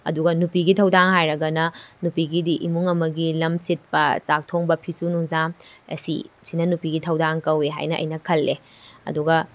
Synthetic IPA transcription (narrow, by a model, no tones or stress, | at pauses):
ɐ̰duɡɐnupiɡitʰɐwdaŋɦajɾɐɡɐnɐnupiɡidiʔimuŋɐmɐɡilɐmsit̚pɐsak̚tʰoŋbɐpʰisunuŋzamɐ̰sḭsinɐnupiɡitʰɐwdaŋkɐweɦa̰jnɐʔɐ̰jnɐkʰɐlːe | ɐ̰duɡɐ